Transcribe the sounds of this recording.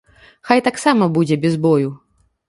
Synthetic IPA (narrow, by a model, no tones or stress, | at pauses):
xajt̪aksamɐbud͡zʲɛbʲɛzbɔju